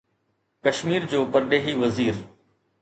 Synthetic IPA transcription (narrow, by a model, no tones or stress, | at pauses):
kɐʃmiːɾd͡ʑoːpəɾɗeːɦiʋəziːɾ